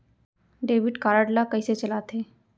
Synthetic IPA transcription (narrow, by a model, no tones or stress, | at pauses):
ɖeːʋɪʈkaːɾaɖlakɐiset͡ʃɐlat̪ʰeː